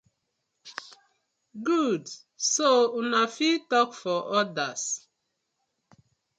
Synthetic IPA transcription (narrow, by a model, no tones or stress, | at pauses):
ɡud | sounafitɔkfɔʔɔdas